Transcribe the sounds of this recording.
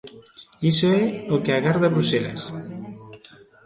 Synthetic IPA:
isoɛokeaɣaɾðaβɾusela̰s

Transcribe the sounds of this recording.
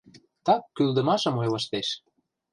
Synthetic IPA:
t̪ɑkːyld̪ə̆mɑʃɤ̆mojlɤ̆ʃt̪eʃ

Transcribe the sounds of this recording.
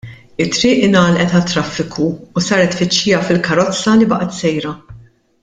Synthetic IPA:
ɪt̪ːɾɪːʔɪnɐːlʔɛt̪ɐt̪ːɾɐfːɪkʰuːsɐːɾɛt̪fɪt͡ʃːiːjɐfɪlkɐɾɔt͡sːɐlibɐʔɐt̪sɛjɾɐ

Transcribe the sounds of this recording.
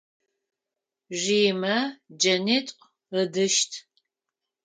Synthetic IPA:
ʒiːmɐd͡ʒɐnetʼq | ədɨʃtʰ

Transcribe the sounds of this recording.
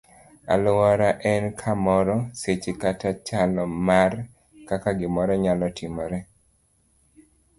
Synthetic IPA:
a̰lwɔɾaʔɛnkʰamɔɾɔset͡ʃekatat͡ʃalɔmar | kakaɡɪmɔɾɔɲalɔtʰɪmɔɾɛ

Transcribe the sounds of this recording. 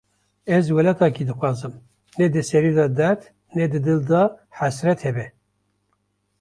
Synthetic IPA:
ɛzwɛlɛt̪ʰɑkid̪ɨxʷwɑːzɨm | nɛd̪ɨsɛɾid̪ɑd̪ɛɾt̪ | nɛd̪ɨd̪ɨld̪ɑħæsɾɛt̪hɛbɛ

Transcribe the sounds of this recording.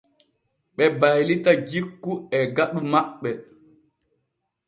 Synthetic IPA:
ɓɛbajlitad͡ʒikːuɛɡaɗumaɓːɛ

